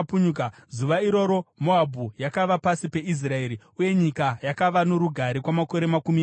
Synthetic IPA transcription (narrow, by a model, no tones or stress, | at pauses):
puɲukazuʋaiɾo̞ɾo̞moabʱujakaʋapasipe̞is̬rae̞ːɾi | uje̞ɲikajakaʋano̞ɾuɡʱaɾekwamako̞ɾe̞makumi